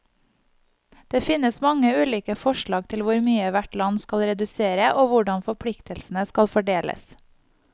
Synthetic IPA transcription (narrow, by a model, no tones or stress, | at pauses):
d̪̥eːfɪnəsmɑŋəʉːliːkəfɔʃɭɑːɡt̪ʰɪlʋʊɾmyːəʋæʈlɑnskɑlɾɛd̪ʉseːɾəʔoːʋʊɖɑnfɔpʰɽɪkt̪əlsn̩əskɑlfɔɖeːlə̰s